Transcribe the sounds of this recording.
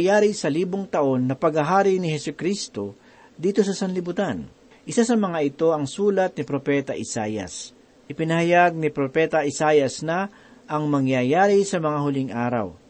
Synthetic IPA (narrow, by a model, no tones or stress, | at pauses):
jaːɾɪsɐliːboŋt̪ɐʔo̞nːɐpɐɡhɐɦaːɾɪnɪhɛsʊkɾist̪o̞ | d̪iːt̪o̞sɐsɐnlɪbʊt̪an | ʔɪsasɐmɐŋaʔɪt̪o̞ɐŋsuːlɐt̪̚nɪpɾopɛːt̪ɐʔɪsaːjɐ̰s | ʔɪpɪnɐhɐjaɡ̚nɪpɾopɛːt̪ɐʔɪsaːjɐsnɐ | ʔɐŋmɐŋjajaːɾɪsɐmɐŋahʊlɪŋʔaːɾɐ̰w